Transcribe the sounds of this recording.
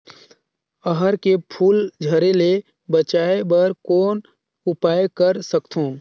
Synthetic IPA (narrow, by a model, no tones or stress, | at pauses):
əɦəɾkepʰuːld͡ʒʱəɾele | bət͡ʃaːebəɾkoːn | ʊpaːjkəɾsəkt̪ʰũ